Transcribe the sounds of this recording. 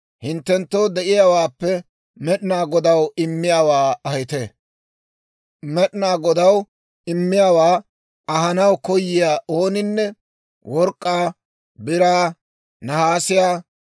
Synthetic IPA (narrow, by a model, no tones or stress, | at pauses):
hɪnt̪ːɛnt̪ːowd̪ɛʔɪjaːwaːpːɛ | mɛɗɪnaːɡɔd̪ɐwɪmːɪjaːwaːɐhɪt̪e | mɛɗɪnaːɡɔd̪ɐw | ɪmːɪjawaː | ɐɦɐnɐwkɔjːɪjaːʔoːnɪnːɛ | wɔɾkʼːaː | bɪɾaː | nɐhaːsɪjaː